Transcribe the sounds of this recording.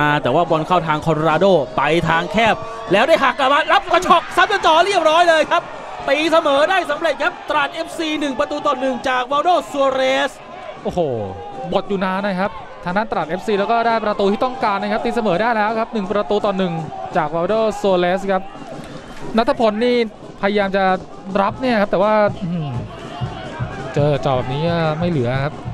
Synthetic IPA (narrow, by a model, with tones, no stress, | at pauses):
aː˧t̪ɛː˨˩waː˥˩wɔ˧nkʰaː˥˩wt̪ʰaː˧ŋkʰɔ˧nɾaː˧doː˥˩pa˧jt̪ʰaː˧ŋkʰɛː˥˩p̚ | lɛː˦˥wdaː˥˩jɦaː˨˩kla˨˩maː˧ɾa˦˥p̚ka˧t͡ɕʰɔ˨˩k̚sa˦˥m̚ka˧t͡ɕɔː˧˩ɾi˥˩əp̚ɾɔː˦˥jlɤː˧jkʰa˦˥p̚ | t̪iː˧sa˧mɤː˨˩˦daː˥˩jsa˨˦mɾe˨˩t̪̚kʰa˦˥p̚t̪ɾaː˨˩t̪̚ʔe˦˥p̚siː˧nɯ˨˩ŋpɾa˧t̪uː˧t̪ɔː˨˩nːɯ˨˩ŋt͡ɕaː˨˩k̚waː˧wdoː˥˩su˧ɾeː˦˥s | ʔoː˨˩hoː˨˩ | bo˨˩t̪̚juː˨˩naː˧na˧˩kʰa˦˥p̚ | t̪ʰaː˧ŋt̪aː˥˩nt̪ɾaː˨˩ʔeː˦˥p̚siː˧lɛː˦˥wkɔː˥˩daː˥˩jpɾa˧t̪uː˧t̪ʰiː˥˩t̪ɔ˥˩ŋkaː˧nːa˧˩kʰa˦˥p̚t̪iː˧˩sa˧mɤː˩˦daː˥˩jlɛː˦˥wkʰa˦˥p̚nɯ˨˩ŋpɾa˧t̪uː˧t̪ɔː˨˩nːɯ˨˩ŋt͡ɕaː˨˩k̚waː˧wdoː˥˩so˧leː˦˥skʰa˦˥p̚ | na˦˥t̪ʰːa˦˧pʰo˧nːiː˥˩ | pʰa˧ja˧jaː˧mt͡ɕa˨˩ | ɾa˦˥p̚ni˥˩ɐkʰa˦˥p̚t̪ɛː˨˩waː˥˩ʔ | t͡ɕɤː˧˨˩t͡ɕa˨˩bɛː˨˩niː˦˥ka˥˩ma˥˩jlɯ˩˦ɐkʰa˦˥p̚